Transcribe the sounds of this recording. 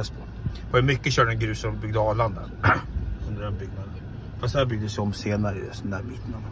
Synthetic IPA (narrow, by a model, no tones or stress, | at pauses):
aspʰɔ | vajmʏkːəɕœːɖɛnɡɾʉ̟ːsɔbʏɡ̚d̪əɑːland̪æ̰ɾ | ɵnd̪əɖɛnbʏɡnad̪ə | fast̪hæɾbʏɡ̚d̪əsɛɔmːseːnaɾəɪ̰d̪ɛsɔnd̪æːɾbit̪nan